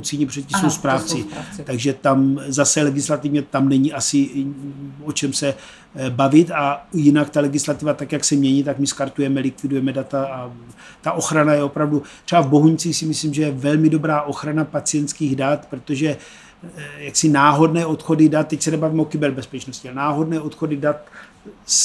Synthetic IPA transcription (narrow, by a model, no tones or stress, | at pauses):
ut͡siɲɛpr̝̥ɛt̪̚cːisowspɾaːft͡sɪt̪aɡʒɛt̪amzasɛlɛɡɪslat̪ivɲɛt̪amnɛɲiʔasɪ | o̞t͡ʃɛmsɛ | bavɪt̪ajɪnakt̪alɛɡɪslat̪ɪvat̪akjaksɛmɲɛɲiːt̪akmɪskaɾt̪ujɛmɛlɪkvɪdujɛmɛdat̪aa | t̪aʔo̞xɾanajɛo̞pɾavdut̪r̥ɛbavbo̞ɦuɲt͡siːxsɪmɪsliːmʒɛjɛvɛlmɪdo̞bɾaːʔo̞xɾanapat͡sɪjɛnt̪skiːɣdat̪pɾot̪o̞ʒɛ | jaksɪnaːɦo̞dnɛːʔo̞t̪xo̞dɪdat̪̚tːɛcsɛnɛbaviːmɛokɪbɛɾbɛspɛt͡ʃno̞scɪalnaːɦo̞dnɛːo̞t̪xo̞dɪdat̪̚ | s